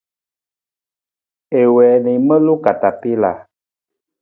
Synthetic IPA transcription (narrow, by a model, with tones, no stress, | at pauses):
e˨wɛ˨nĩ˨mɛ̃˦lo˦ka˨t̪a˨pe˦la̰˨